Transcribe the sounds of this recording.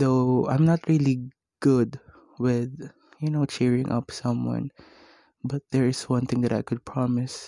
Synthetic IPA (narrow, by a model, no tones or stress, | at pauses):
ðoʔã̰jmnat̪ɹili | ɡ̥ʊd̪ | wɪð | jɨnoʊt͡ʃɛɹɪ̰̃ŋʔʌ̰psʌ̃mwʌ̰̃n | bʌt̪̚d̪ɛɹɪswʌ̃nθɪ̃ŋd̪ɐɾajkʊd̪̚pʰɹɑmɪs